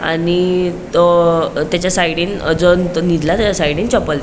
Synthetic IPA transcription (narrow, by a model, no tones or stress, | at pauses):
a̰nit̪ɔt̪jat͡ɕjasaiɽiːnəd͡zont̪ɔnid̪lat̪at͡ɕasaiɽiːnt͡ɕɔpəlt̪